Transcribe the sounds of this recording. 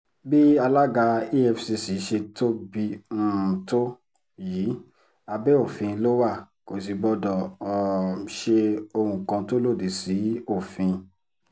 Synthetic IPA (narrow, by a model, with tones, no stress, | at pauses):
bi˦a˧la˦ɡa˧i˦ɛ˧fsi˧si˨˦ʃe˧to˦bi˧ñ̩ː˦˨to˦ | ji˨˦ | a˧bɛ˦o˦˨fĩ˧lo˦wa˦˨ | ko˨s̬i˨˧bɔ˦dɔ˨ɔ˨ʃe˧o˧hũ˧˨kã˧to˦lo˦˨de˨si˨˦o˦˨fĩ˧